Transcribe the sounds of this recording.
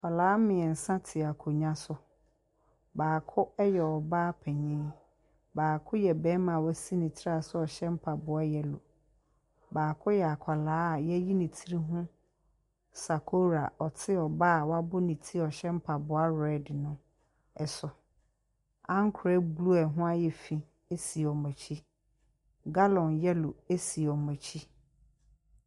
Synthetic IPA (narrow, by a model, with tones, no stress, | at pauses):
kʷʰa˨laː˦mɪ̃˨ɛ˨n̩˨sã˦tʰɪ˨a˨kʰo˨ɲã˦sʊ˨ | baː˨kʰʊ˦ɛ˦jɛ˨ɔ˨baː˦pʰɛ˨ɲĩ˦ | baː˨kʰʊ˦jɛ˨bɛ̃˦mã˨wæ˦si˦nĩ˨tʰɪ˦ɾa˦˨sʊ˦ɔ˨ɕɛ˦m̩˦pʰa˨bʊ˨a˦jɛ˨lʊ̰˨ | baː˨kʰʊ˦jɛ˨a˨kʷʰa˨laː˦a˨jɛ˦ji˦nĩ˨tʰi˦ɾi˦ɦʊ̃˦ | sa˨kʰo˦ɾa̰˨ɔ˨tʰɪ˦ɔ˨ba˦˨wa˦bʊ˦nĩ˨tʰi˦ɔ˨ɕɛ˦m̩˦pʰa˨bʊ˨a˦ɾɛ˦dnʊ̃˦ | ɛ˨sʊ˨ | ã˦ŋkʰʊ˨ɾɛ˦bu˨lu˦ɛ˨ɦʊ̃˦a˦jɛ˨fĩ˨ | e˦si˨ɔ˨mɛ̃˨t͡ɕʰi˦ | ɡa˦lɔ̃˨njɛ˦lʊ˨e˦si˨ɔ˨mɛ̃˨t͡ɕʰi˦